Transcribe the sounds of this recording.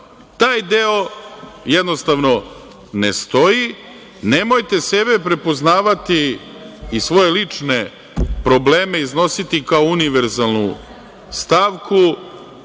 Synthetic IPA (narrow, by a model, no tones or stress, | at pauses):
t̪aːjd̪e̞o̞jed̪no̞st̪aʋno̞ | nest̪o̞ji | ne̞mo̞jt̪e̞se̞be̞pɾe̞po̞znaːʋat̪iː | sʋo̞je̞lit͡ʂne̞ | pɾo̞ble̞ːme̞izno̞sit̪ikaouniʋe̞ɾzalˠnu | st̪aʋku